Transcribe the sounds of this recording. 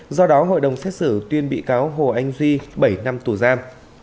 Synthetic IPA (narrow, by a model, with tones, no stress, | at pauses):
zɔ˧ɗɔ˨˦ɦo̰˧˨jɗə˨˩wŋ͡msɛ˦˥t̚sɨ˧˩t̪wi˧ənɓḭ˧˨kaː˨˦wɦo˨˩ʔa˧jŋ̟zwi˧ɓə˧˩jna˧mt̪u˧˩zaː˧m